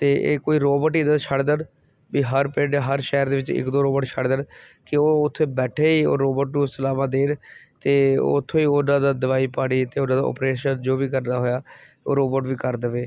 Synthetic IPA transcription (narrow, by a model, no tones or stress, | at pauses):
t̪eːʔḛːkoːiːɾoːboʈiːd̪ət͡ʃʰəɽd̪ən | biːɦəɾpẽːɖeɦəɾʃɛːɾd̪eːʋɪt͡ʃɪ̰kd̪oːɾoːbəːʈt͡ʃʰəɽd̪ən | kɪoːʊt̪ʰːẽːbɛːʈʰeːiːo̰ːɾoːbəʈnũːsəlaːmãːd̪eːnt̪eːʊ̰t̪ʰːõːiːʊnãːd̪aːd̪əʋaːiːpaːɽiːt̪eːʊnãːd̪aːɔ̰ːpɾeːʃənd͡ʒoːbiːkəɾnaːɦoːjaː | o̰ːɾoːboːʈʋiːkəɾd̪əʋeː